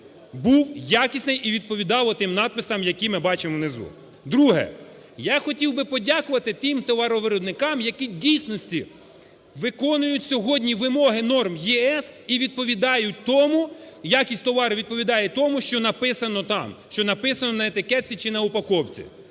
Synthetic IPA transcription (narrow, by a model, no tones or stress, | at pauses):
buwjakʲisʲnɪjʔiʋʲid̪̚pɔʋʲid̪ɑwɔt̪ɪmnɑt̪̚pɪsɐmjɐkijmɪbɑt͡ʃɪmɔwnezṵ | d̪ɾuɦɛ̰ | jɑxɔtʲiwbɪpɔdʲakʊʋɐt̪ɪt̪ɪmt̪ɔʋɑɾɔʋɪɾɔd̪nɪkɑmjɐkidʲijsʲnɔsʲtʲi | ʋɪkɔnʊjʊtʲsʲɔɦɔdʲnʲiʋɪmɔɦɪnɔrmjɛɛsiʋʲid̪̚pɔʋʲid̪ɑjʊt̚ʲt̪ɔmujakʲisʲtʲt̪ɔʋɑɾɪʋʲid̪̚pɔʋʲid̪ɑjet̪ɔmuʃt͡ʃɔnɐpɪsɐnɔt̪ɑ̰mʃt͡ʃɔnɐpɪsɐnɔnɐet̪ɪkɛt͡sʲit͡ʃɪnɐʊpɐkɔwt͡sʲḭ